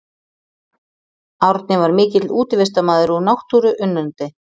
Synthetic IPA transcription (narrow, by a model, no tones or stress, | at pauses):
awɾt̪nɪvaɾmɪːcɪt̪luːt̪ɪvɛst̪amaːðʏɾunawht̪uɾʏʔʏnːʏnt̪ɪ